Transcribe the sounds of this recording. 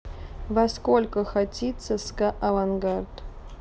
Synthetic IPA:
vɐskolʲkəxatʲit̪səskaʔɐvanɡart̪

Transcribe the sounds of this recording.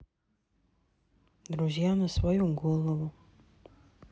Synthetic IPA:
d̪ɾuzijanɐsvojuɡɔlˠovu

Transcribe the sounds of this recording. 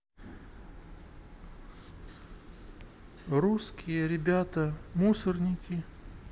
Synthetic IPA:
ruskʲɪjəɾʲɪbʲat̪əmusərnʲɪkʲɪ

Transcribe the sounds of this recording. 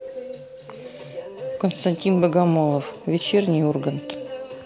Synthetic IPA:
kənst̪ɐnʲtʲinbəɡamolˠəfvʲɪt͡ɕernʲɪjorɡənt̪

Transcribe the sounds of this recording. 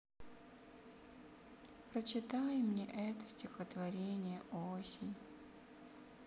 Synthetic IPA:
pɾət͡ɕɪt̪ajmnʲeʔɛt̪ə̥sʲtʲɪxət̪vɐɾʲenʲɪjəʔosʲɪnʲ

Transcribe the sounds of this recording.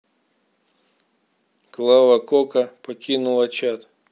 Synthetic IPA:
klˠaʋɐkɔkɐpɔkʲinʊlˠɐt͡ɕat̪

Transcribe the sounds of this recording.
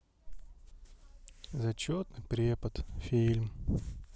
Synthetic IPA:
zɐt͡ɕot̪nɨpɾʲepət̪fʲilʲm

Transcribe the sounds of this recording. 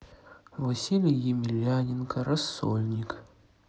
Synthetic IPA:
vɐsʲilʲɪjɪmʲɪlʲanʲɪnkəɾɐsːo̰lʲnʲɪk

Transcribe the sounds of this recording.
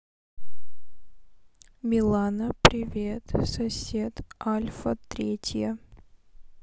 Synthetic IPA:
mʲɪlˠanəpɾʲɪvʲet̪sɐsʲet̪alʲfət̪ɾʲetʲjə

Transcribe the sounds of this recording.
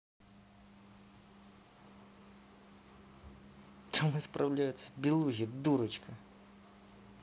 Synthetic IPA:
t̪ɐmɨspɾʔɐwlʲajʊsʲɐ̥bʲilˠuɦʲid̪uɾɐt͡ɕkʰɐ

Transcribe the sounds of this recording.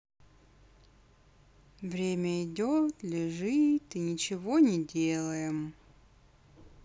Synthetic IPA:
vɾʲemʲəɪdʲot̪lʲɪʐɨt̪ɨnʲɪt͡ɕɪvonʲɪdʲelˠəjɪm

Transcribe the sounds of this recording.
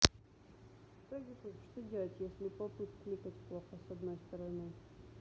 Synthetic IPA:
t̪aɡʲit̪uʂt̪odʲelˠətʲjesʲlʲɪpɐpɨt̪klʲikətʲplˠoxəsɐd̪nojst̪əɾɐnɨ

